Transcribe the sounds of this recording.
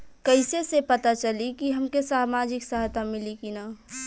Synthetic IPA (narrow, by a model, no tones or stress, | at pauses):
kəɪsesepɐt̪at͡ʃɐlikiɦɐmkesaːmaːd͡ʒɪksəɦjt̪amɪlikinaː